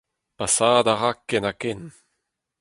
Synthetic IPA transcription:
pasaːd̪aʁakːɛnakɛn

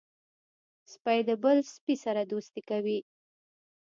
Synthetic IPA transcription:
spajd̪əbəlspisaɾad̪ost̪ikawi

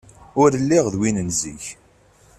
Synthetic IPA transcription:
ʊɾlːiʁðwinənziç

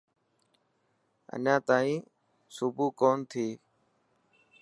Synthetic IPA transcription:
ə̰nãːt̪aːĩː | sʊbuːkoːnt̪ʰiː

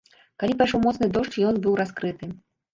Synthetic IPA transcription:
kalʲipajʂɔwmɔt̪snɨd̪ɔʂt͡ʂjɔnbɨwɾaskɾɨt̪ɨ

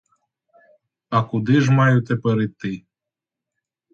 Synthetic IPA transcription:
akud̪iʒmajut̪epəɾit̪ːɨ

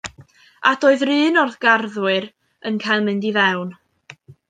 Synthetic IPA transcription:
ad̥oːɨðrɨːnɔrθɡ̥arðwɨɾ | ənkʰajlˠmɨndivɛwn

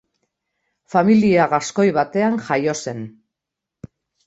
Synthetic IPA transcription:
familiaɣasko̞jβat̪e̞aŋʝajo̞se̞n

